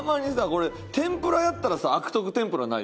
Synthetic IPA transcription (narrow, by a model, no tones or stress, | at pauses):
maɲ̟isako̞ɾe | t̪ẽ̞mpɯ̟ɾajat̪ːaɾasaːkɯ̟̥t̪o̞k̬ɯ̟t̪ẽ̞mpɯ̟ɾana̰ḭ